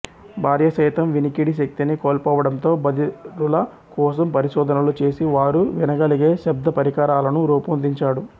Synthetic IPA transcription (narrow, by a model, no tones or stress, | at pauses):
bʱaːɾjɐsɐjt̪ɐmʋinikiɽiʃ̬ɐk̚t̪inikɔːlpɔːʋɐɽɐnt̪o̞ːbɐd̪iɾulɐ | kɔːs̬ɐmpɐɾiʃɔːd̪ʱɐnɐlut͡ʃe̞ːsiʋaːɾuʋinɐɡɐliɡe̞ːʃɐb̚d̪ɐpɐɾikaːɾaːlɐnuɾuːpund̪iɲt͡ʃaːɽu